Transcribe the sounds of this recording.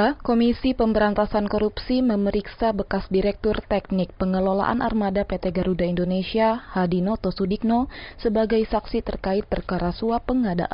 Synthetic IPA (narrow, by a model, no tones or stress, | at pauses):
komisipəmbəɾant̪asankoɾupsiməməɾiksabəkasdiɾɛk̚t̪ʊrt̪ɛk̚nɪk̚pəŋəlola̰ʔa̰nʔa̰rmadapet̪eɡaɾudaindonesiahadinot̪osudik̚nosəbaɡajsaksit̪ə̰rkaɪt̪̚pərkaɾasuapəŋada̰ʔn